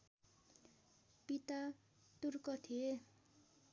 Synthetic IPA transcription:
pit̪a | t̪urkʌt̪ʰie

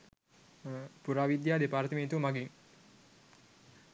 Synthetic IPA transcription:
puɾaːʋid̪jaːd̪epaːɾt̪əmeːt̪uʋəmaɡiŋ

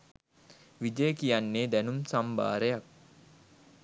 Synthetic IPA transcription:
ʋid͡ʒəjəkijanːeːd̪ænumsamba̰ːɾejak̚

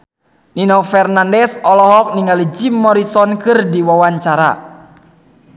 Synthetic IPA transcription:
ninɔfɛrnandɛsɔlɔɦɔk̚niŋalid͡ʒimːɔɾisɔnkɨrdiwawaɲt͡ʃaɾa̰

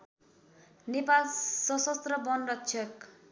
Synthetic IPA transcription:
nepalsʌsʌst̪rʌbʌnɖʌtt͡ʃʰʌk

